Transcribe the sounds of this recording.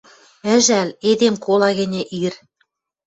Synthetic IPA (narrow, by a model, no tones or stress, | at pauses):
ɘ̆ʒæled̪emkolɑɣɘ̆nʲĕʔir